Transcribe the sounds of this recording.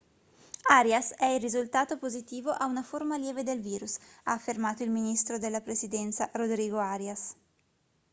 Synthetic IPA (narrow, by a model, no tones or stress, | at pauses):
aɾjasɛilrizult̪aːt̪opozit̪iːvoʔaunaformaljɛːved̪elviːɾusaːfːirmaːt̪oilminist̪ɾod̪elːapɾesid̪ɛnt̪saɾod̪ɾiːɡoaɾjas